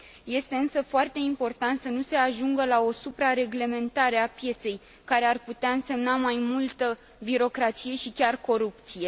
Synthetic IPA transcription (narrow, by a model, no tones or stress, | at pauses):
je̞st̪e̞ɨnsəfoart̪e̞impo̞rt̪ant̪sənuse̞aʒuŋɡəlao̞supɾaɾe̞ɡle̞me̞nt̪aɾe̞apje̞t̪se̞j | kaɾe̞arput̪eaɨnse̞mnamajmult̪ə | biɾo̞kɾat̪sije̞ʃikʲarko̞ɾup̚t̪sije̞